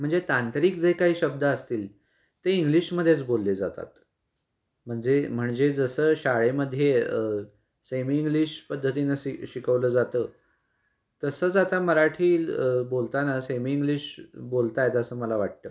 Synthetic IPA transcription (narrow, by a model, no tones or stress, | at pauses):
m̤əɳd͡zet̪ant̪ɾiːkd͡zejkaɦiːɕəb̚d̪aəst̪iːl | t̪eiŋɡliɕməd̪ʱːjet͡sbolːed͡zat̪a̰t̪ | m̤əɳd͡zem̤əɳd͡zed͡zəsəːɕaɭeməd̪ʱːjeə | semiːŋɡliɕpəd̪ʱːət̪inaiɕikəʋləːd͡zat̪əː | t̪əsəːt͡sat̪aməɾaʈʰiːlbolt̪anasemiːŋɡliɕbolt̪ajet̪əsəːməlaʋaʈ̚t̪ə̰ː